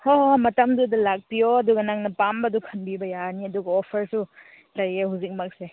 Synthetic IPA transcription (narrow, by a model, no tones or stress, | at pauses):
hoɦmɐtɐmdudɐlak̚pijoɐduɡɐnaŋnɐpambɐdukʰɐnbibɐjaniɐduɡɐɔpʰɐɾsu | lajehuzik̚mak̚se